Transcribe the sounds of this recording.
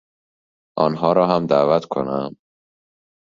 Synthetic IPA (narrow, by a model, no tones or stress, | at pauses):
ʔɒːnɦɒːɾɒːɦæmd̪æːvæt̪kʰo̰næm